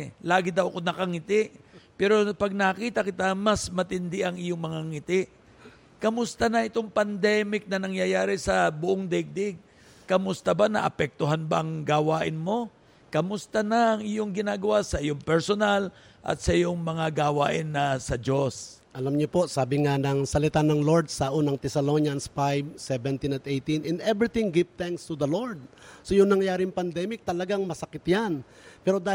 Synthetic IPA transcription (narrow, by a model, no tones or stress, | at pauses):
laːɡɪd̪ɐwkonːɐkɐŋɪt̪ɪʔpɛːɾo̞pɐɡ̚nɐkiːt̪ɐkɪt̪amɐsmɐt̪ɪnd̪ɪʔɐŋɪjoŋmɐŋaŋɪt̪ɪʔ | kɐmʊst̪anɐʔɪt̪o̞ŋpɐnd̪ɛːmɪk̚nɐnɐŋjɐjaːɾɪsɐbʊʔoŋd̪ɛɡ̚d̪ɛɡ̚ | kɐmʊst̪abanɐ̰ʔɐ̰pɛk̚t̪oɦanbaʔɐŋɡawaːʔɪnmo̞ | kɐmʊst̪anɐʔɐŋɪjoŋɡɪnaːɡɐwasɐʔɪjoŋpɛɹsonal | ʔɐ̰t̪sɐʔɪjoŋmɐŋaɡawa̰ːʔɪnːɐsɐd͡ʒo̞s | ʔɐlamɲopo̞saːbɪŋanɐŋsɐlɪt̪anɐŋloɹd̪̚sɐʔuːnɐŋt̪ɛsɐlonjɐnsfajb̚sɛvɛnt̪inɐt̪ejt̪inɛ̃nɛvɾit̪ɪ̃ŋɡɪvt̪ɛŋkst̪ud̪ɐloɹd̪̚sojʊŋnɐŋjaːɾɪŋpɐnd̪ɛmɪk̚t̪ɐlɐɡaŋmɐsɐkɪt̪jan | pɛɾod̪a